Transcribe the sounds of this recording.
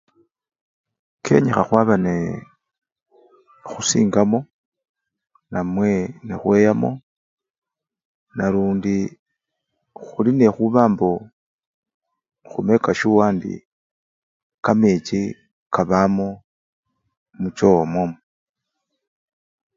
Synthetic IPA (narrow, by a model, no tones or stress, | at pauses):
kʰe̞̰ɲexaxwaβane | xusḭːŋɡamo̞ | namwe̞nexwe̞ːjamo̞̰ | naluːndi | xuline̞xuβaːmbo | xume̞kaʃuwaːndḭ | kamet͡ʃi | kaβamo | mut͡ʃomwomo